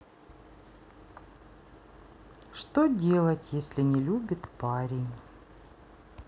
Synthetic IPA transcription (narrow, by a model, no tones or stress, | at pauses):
ʂt̪odʲe̞lˠətʲjesʲlʲɪnʲɪlʲubʲɪt̪paɾʲɪnʲ